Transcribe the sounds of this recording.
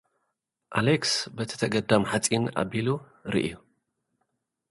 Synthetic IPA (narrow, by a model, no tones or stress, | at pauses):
ʔaleksbɐt̪ʰi̥t̪ʰɐɡɐd̪amħat͡sʼina̰bilu | ɾḭʔiju